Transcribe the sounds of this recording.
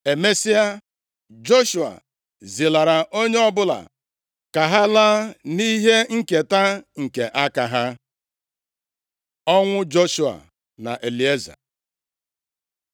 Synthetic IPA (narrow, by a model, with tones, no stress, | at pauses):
e˨me˦si˦a˦ | d͡ʒo˦ʃu˨a̰˨ | zi˨la˨ɾa˨ʔo˦ɲe˦ɔ˦bʊ˦la̰˨ | ka˨ɦa˦la˦ni˦ɦe˦ŋ̩˦˨ke˨ta˦ŋ̩˨ke˨ʔa˦ka˨ɦa˦ | ɔ˦ŋʷʊ˦d͡ʒo˦ʃu˦a̰˨ | na̰˨ʔe˨li˨e˦za̰˨